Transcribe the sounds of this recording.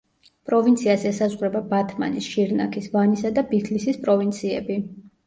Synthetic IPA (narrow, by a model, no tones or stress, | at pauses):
pʼɾɔvint̪sʰiasɛsazʁɾɛbabat̪ʰma̰nisʃiɾna̰kʰisvanisad̪abit̪ʰlisispʼɾɔvint̪sʰiɛ̰bi